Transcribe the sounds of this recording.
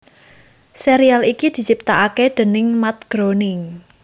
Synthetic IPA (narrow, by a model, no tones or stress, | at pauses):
seɾialikid̪̥i̤t͡ʃip̚t̪aʔakɛd̪̥ə̤nɪŋmat̪̚ɡ̥ɾonɪŋ